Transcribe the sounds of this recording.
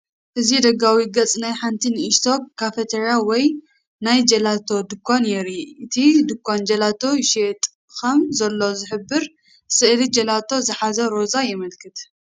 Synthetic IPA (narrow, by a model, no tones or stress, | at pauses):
ʔɨzid̪ɐɡawiɡɐt͡sʼnajħant̪ʰinɨʔist̪ʰokːafet̪ʰeɾiawɔj | najd͡ʒɐlat̪ʰo̞d̪ɨkʰːonjɛɾiʔɨt̪ʰid̪ɨkʰːond͡ʒɐlat̪ʰo̞ʃet̪ʼ | kɐmzɐlːo̞zɨħɨbːɨɾ | sɨʔlid͡ʒɐlat̪ʰo̞zɨħazɐɾo̞zajɪmɨlkʰɨt̪